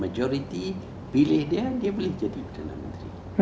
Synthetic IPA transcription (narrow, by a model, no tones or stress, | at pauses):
mad͡ʒoɾit̪i | bilɪhdiadiabəlɪhd͡ʒadipərdana̰mənt̪ɾḭ